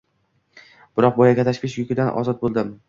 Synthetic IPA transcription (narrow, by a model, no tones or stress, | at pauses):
b̥ɪɾɒq̚bɒjaɡʲat̪ʰaʃkʲɪʃjʊkʲɪd̪anʔɒ̰zɒt̪̚bolˠd̪ɪm